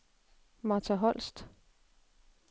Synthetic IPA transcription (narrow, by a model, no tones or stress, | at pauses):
mɑ̈t͡sʰæɦɒl̰sd̥